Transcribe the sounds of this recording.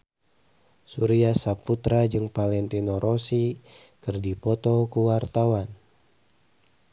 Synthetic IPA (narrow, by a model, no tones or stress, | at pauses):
suɾiasaput̪ɾad͡ʒɨŋpalɛnt̪inoɾʔɔsikɨrdipɔt̪ɔkuwart̪awan